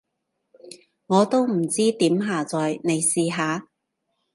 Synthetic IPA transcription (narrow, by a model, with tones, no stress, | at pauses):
ŋɔː˨˧t̪o˥wm̩˨˩t͡siː˥t̪iː˨˥mɦaː˨˧t͡sɔː˨jne˨˧jsiː˨˧ɦaː˨˧